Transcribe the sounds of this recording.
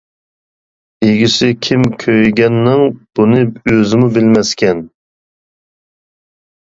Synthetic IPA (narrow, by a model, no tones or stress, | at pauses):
eɡʲisɪkʲʰimkʲʰøjɡʲɛnːɪŋb̥unɨøzɪmubɪlmɛskʲɛn